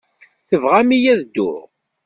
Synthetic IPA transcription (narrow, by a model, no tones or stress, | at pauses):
θəvʁamijæðd̪ːʊ̰ɾ